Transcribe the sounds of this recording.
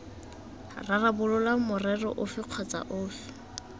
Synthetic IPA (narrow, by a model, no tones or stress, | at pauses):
rarabʊlʊlamʊrɛrɔ̰ʔʊfɪq͡χʰat͡sa̰ʔʊːfɪ̥